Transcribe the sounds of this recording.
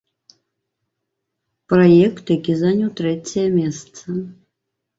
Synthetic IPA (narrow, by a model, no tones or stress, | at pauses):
prajɛkt̪jakʲizanʲut̪ɾɛt͡sʲɐjɐmʲɛst̪sɐ